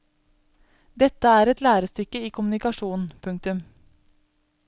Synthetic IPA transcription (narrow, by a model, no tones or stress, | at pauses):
d̪ɛt̪ːəæːɾɛt̪læːɾəst̪ʏkːəiːkʰʊmʉnɪkɑʂuːnn̩pʰʉŋk̚t̪ʉm